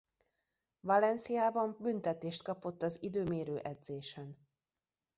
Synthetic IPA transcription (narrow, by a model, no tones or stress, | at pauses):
vɒlɛnsijaːbɒmbynt̪ɛt̪eːʃt̪̚kɒpo̞t̪ːɒzid̪øːmeːɾøːʔɛd̪z̥eːʃɛn